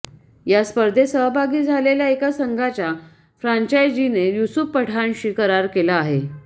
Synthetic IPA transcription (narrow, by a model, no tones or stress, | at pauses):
jaspəɾd̪ʱesəɦbʱaɡiːd͡zʱaleljaekasəŋɡʱat͡ɕja | fɾaɲt͡ɕajd͡ʑinejusupːəʈʰanɕiːkəɾaɾkelaːɦe